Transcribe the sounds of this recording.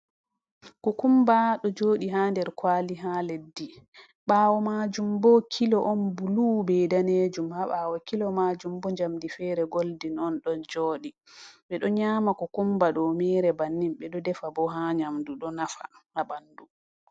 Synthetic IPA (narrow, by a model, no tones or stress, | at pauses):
kɔkumbaɗɔd͡ʒoːɗiɦaːndɛɾkwaːliɦaledːi | ɓawɔmad͡ʒumbɔkʰilɔʔɔnbuluːbɛjdaneːd͡ʒumhaɓaːwɔkilɔmad͡ʒumbɔɲd͡ʒamdifɛːɾɛɡoldinɔnɗɔnd͡ʒɔːɗi | ɓɛɗɔɲaːmakɔkumbaɗɔmɛːɾɛbanːimɓɛɗɔdɛfabɔɦaɲamduɗɔnafa̰habandu